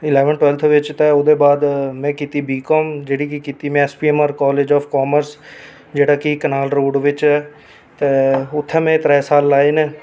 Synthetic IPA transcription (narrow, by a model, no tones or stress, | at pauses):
ɪlɛːʋənʈwɛːlt̪ʰʋɪt͡ʃt̪ɛ̃ːoːd̪eːbaːd̪mɛ̃ːkiːt̪iːbiːkɔːmd͡ʒeːɽiːkikiːt̪iːmɛ̃ːɛːspiːɛːmaːɾkɔːleːd͡ʒɔːfkɔːməɾs | d͡ʒeːɽaːkikənaːlɾoːɖʋɪt͡ʃɛː | t̪eːʊt̪ʰːɛ̃ːmɛ̃ːt̪ɾɛːsaːlːaːeːneː